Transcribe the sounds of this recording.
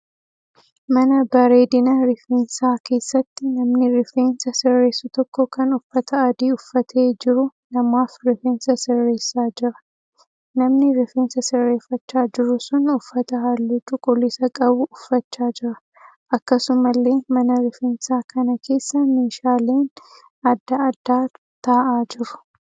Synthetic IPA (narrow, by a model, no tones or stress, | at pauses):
mɐnɐbɐɾe̞ːd̪ɪnɐɾɪfeːnsaːke̞ːsːɐt̪ːɪnɐmnɪɾɪfe̞ːnsɐsɪrːe̞ːsʊt̪ɔkːɔkɐnʊfːɐt̪ʰɐɐd̪iːʊfːɐt̪ʰe̞ːd͡ʒɪɾʊnɐmaːfɾɪfeːnsɐsɪrːe̞ːsːaːd͡ʒɪɾɐ̥ | nɐmnɪɾɪfeːnsɐsɪrːe̞ːfːɐt͡ʃːaːd͡ʒɪɾʊsʊnʊfːɐt̪ɐɦalːɪd͡ʒukʼɔlɪsɐkʼɐbʊʔʊfːɐt͡ʃːaːd͡ʒɪɾɐ | ʔɐkːɐsʊmɐlːe̞ːmɐnɐɾɪfeːnsaːkɐnɐkʰe̞ːsːɐmeːʃaːle̞ːn | ɐd̪ːɐɐd̪ːaː | t̪aːʔaːd͡ʒɪɾʊ̥